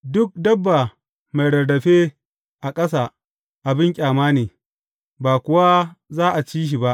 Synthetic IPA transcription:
dʊ˦k̚dɐ˦bːa˨ | ma˨jɽɐ˨dɐ˨ɸeː˦ | ʔa˨kʼɐ˦s̬a˨ | ʔa˨bɪ˦ŋkʲʼaː˨maː˦neː˨ | baː˨kʷʊ˦wa˦zaː˦ʔa˨t͡ʃiː˦ʃ̬i˨ba˦ʔ

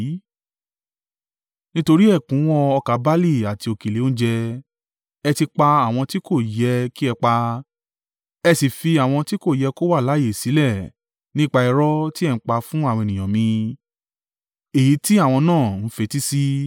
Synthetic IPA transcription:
nĩ˦to˧ɾi˦ɛ˦˨kũ˨˦wɔ˧ɔ˧ka˨˦ba˦li˦˨a˨ti˧o˧ke˨le˨˦õ˦d͡ʒɛ˧ | ɛ˧ti˧k͡pa˧a˨w̃ɔ̃˧ti˦ko˦˨jɛ˧ki˦ɛ˧k͡pa˧ | ɛ˧si˨fi˧a˨w̃ɔ̃˧ti˦ko˦˨jɛ˧ko˦wa˦˨la˨˦je˨si˨˦lɛ˦˨ | nĩ˦k͡pa˧ɛ˧ɾɔ˦ti˦ɛ˦˧ñ̩˦k͡pa˧fũ˦a˦˨w̃ɔ̃˧e˨nĩ˨j̃ã˨mĩ˧ | e˨ji˨˦ti˦a˦˨w̃ɔ̃˧nãː˦˨n̩˨˦fe˧ti˦si˦

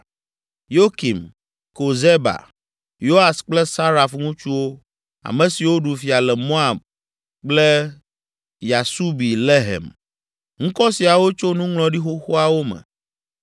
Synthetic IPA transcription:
jo˦ki˨m | ko˨ze˦ba̰˨ | jo˦a˨sk͡plɛ˦sa˦ɾa˨fŋũ˦t͡ʃu˦wo˦ | a̰˨mɛ̃˨si˨wo˦ɖu˨fi˨a˨lɛ˨mõ˦a˨b̚ | k͡plɛ˦ | ja˨su˦bi˨le˦ɦɛ̰˨m | ŋ̩̃˦kɔ˦si˨a˨wo˦t͡ʃo˦nũ˦ŋlɔ̃˨ɖi˦xo˦xo˦a˦wo˦mɛ̰˨

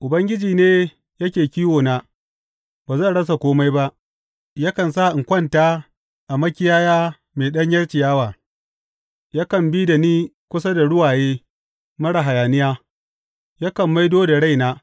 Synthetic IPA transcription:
ʔʊ˨bɐ˦ŋɡʲɪ˦d͡ʒiː˨neː˦ | jɐ˦kʲeː˨kʲiː˦woː˨naː˦ | baː˨zɐ˦˨nɽɐ˦s̬a˨kʷoː˦ma˦jba˦ʔ | ja˦kɐ˨nsa˦˨ʔɪ˨ŋkʷɐ˦˨ntaː˦ | ʔa˨mɐ˦kʲɪ˦jaː˦jaː˦ | meː˨ɗɐ˦ɲjɐ˦ɽt͡ʃɪ˨jaː˦waː˨ | ja˦kɐ˨mbi˦da˨niː˦kʷʊ˦sa˦da˨ɽʊ˦waː˨jeː˦ | mɐ˦ɽa˨ɦa˨jaː˨nɪ˦jaː˦ | ja˦kɐ˨mːa˦jdoː˦da˨ɽa˦jnaː˦

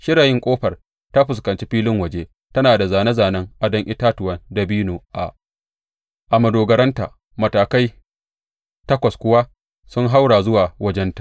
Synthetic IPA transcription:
ʃɪ˦ɾaː˨jɪ˦ŋkʷʼoː˦ɸɐ˨r | ta˦ɸʊ˨skɐ˨nt͡ʃi˦ɸiː˦lɪ˦ŋwɐ˨d͡ʒeː˦ | tɐ˦naː˨da˨zaː˨nɐ˦zaː˨nɐ˦ŋʔa˨dɔ˦ŋʔɪ˦taː˦tʊ˨wɐ˦nda˨biː˦nuː˨ʔa̰˨ | ʔa˨mɐ˨doː˨ɡɐ˨ɾɐ˦nta̰ː˨ | mɐ˨taː˨ka˦j | tɐ˦kʷɐ˨skʷʊ˦wa˦ | sʊ˦ŋɦa˦wɽaː˨zʊ˦waː˨wɐ˦d͡ʒɛ˦ntḁ˨ʔ

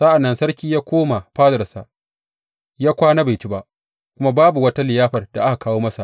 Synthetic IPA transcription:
za˦ʔa˨nːɐ˦nsɐ˦ɾkʲiː˦jaː˦kʷoː˦ma˨ɸaː˦zɐ˨rsa˨ʔ | jaː˦kʷaː˦na˦ba˨jt͡ʃi˦ba˦ʔ | kʷʊ˦ma˦baː˦bu˨wɐ˦ta˦lɪ˨jaː˦ɸɐ˨rda˨ʔa˦ka˨kaː˦woː˦mɐ˦sa̰˨ʔ

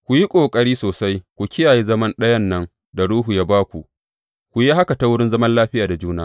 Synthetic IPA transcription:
kʷu˨ji˦kʷʼoː˨kʼɐ˦ɽiː˦soː˨sa˦jkʷu˨kʲɪ˦jaː˨ji˦zɐ˦mɐ˦nɗɐ˦jɐ˦nːɐ˦ŋ | da˨ɽuː˦ɦu˨jaː˦baː˦kʷu˨ʔ | kʷu˨ji˦ɦa˦ka˨ta˦wʊ˦ɽɪ˦nzɐ˦mɐ˦nlaː˦ɸɪ˦jaː˨da˨d͡ʒuː˦naː˦

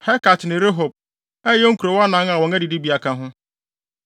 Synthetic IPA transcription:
hɛ˦ka˨tnɪ̃˨ɾe˦ɦo˨b̚ | ɛ˦o˦ŋ̩˦ku˨ɾo˨wa˦nã˨˦ŋa˨wɔ̃˨ŋɛ˦di˨di˦bi˨a˨kã˨ɦʊ̃˦

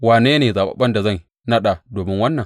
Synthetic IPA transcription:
waː˨neː˦neː˨zaː˨ɓa̰˨ɓɐ˦nda˨zɐ˦˨n | nɐ˦ɗa˨doː˨mɪ˦ŋwɐ˦nːɐ˨ŋ

